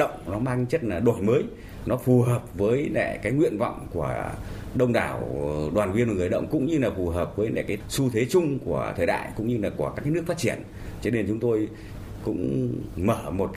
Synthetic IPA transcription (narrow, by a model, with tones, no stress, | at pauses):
ə̰˧˨wŋ͡mnɔ˨˦maː˧ŋt͡ɕə˦˥t̚laː˨˩ɗo˨˧˩jməː˨˦j | nɔ˨˦fu˨˩həː˨˩p̚vəː˨˦jlɛ̰˧˩˨kaː˨˦jŋwḭ˧ənva̰˧˨wŋ͡mku˧˩ə | ɗə˧wŋ͡mɗa̰ː˧˩wɗwaː˨˩nvwi˧ənvaː˨˩ɨ˨˩əjɗə̰˧˨wŋ͡mkʊ̰˧˥ŋ͡mɲɨ˧laː˨˩fu˨˩ɦəː˨˩p̚vəː˨˦jlɛ̰ː˧˩kaː˨˦su˧t̪ʰwe˨˦t͡ɕʊ˧ŋ͡mku˧˩ət̪ʰəː˨˩jɗa̰ː˧˨jkʊ̰˧˥ŋ͡mɲɨ˧laː˨˩ku˧˩əkaː˦˥kaː˨˦nɨ˦˥ək̚faː˦˥t̚t͡ɕi˧˩ən | t͡ɕɔ˧ne˧nt͡ɕʊ˨˦ŋ͡mt̪o˧j | kʊ̰˧˥ŋ͡mməː˧˩mo˨˩t̚k